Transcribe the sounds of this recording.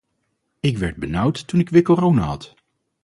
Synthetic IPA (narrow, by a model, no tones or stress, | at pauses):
ɪkʋɛɹd̚bənʌwtːunɪkʋɪːɹkorownaːɦɑt